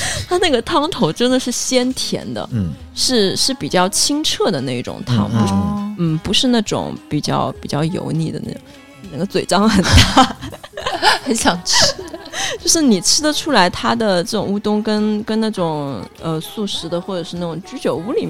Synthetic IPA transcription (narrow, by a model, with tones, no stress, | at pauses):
t̪ʰa˥na˥˩ɡə˩t̪ʰɑ˥ŋt̪ʰo˧˥ʊʈ͡ʂə˥nd̪ə˨ʂɻ̩˥˩ɕjɛ˥nt̪ʰjɛ̰˧˥nd̪ə̰˧˩ | ʂɻ̩˥˧ʂɻ̩˥˩pi˨˩t͡ɕjɑ˥˩ʊt͡ɕʰi˥ŋʈ͡ʂʰɤ˥˩d̪ə˩na˥˩i˥˩ʈ͡ʂʊ̰˨˩ŋt̪ʰɑ̰˥ŋpn̩˥˩pu˧˥ʂɻ̩˥˧na˥˩ʈ͡ʂʊ̰˨˩˦ŋpi˨˩t͡ɕjɑ̰˥˩ʊpi˨˩t͡ɕjɑ˥˩ʊjo̰˧˥ʊni˥˩d̪ə̰˩na̰˥˩ʈ͡ʂʊ˨˩ŋ | na˧˩ɡə˧t͡swe˨˩ɪʈ͡ʂɑ˥ŋxə˨˩nt̪a˥˩˥ | xe˧˥ɕjɑ˨˩ŋʈ͡ʂ̩ʰ˥t͡ɕjo˥˧ʊʂɻ̩˥˩ni˨˩ʈ͡ʂʰɻ̩˥d̪ə˨ʈ͡ʂʰu˥la˧˥ɪt̪ʰa˥d̪ə˨ʈ͡ʂɤ˥˩ʈ͡ʂʊ˨˩ŋu˥t̪ʊ˥ŋkə˥nkə˥nna˥˩ʈ͡ʂʊ˨˩ŋ | ə˧su˥˩ʂɻ̩˧˥d̪ə˧xwɔ˥˩ʈ͡ʂɤ˨˩ʂɻ̩˥˧na˥˩ʈ͡ʂʊ˨˩ŋt͡ɕy˥t͡ɕjo˧˥ʊu˧˥li˨˩